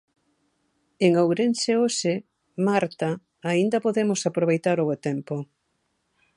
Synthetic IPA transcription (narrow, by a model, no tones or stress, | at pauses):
eŋowɾenseoʃe | maɾt̪aː | ind̪ɐpoðemosapɾoβ̞ejt̪aɾoβet̪empo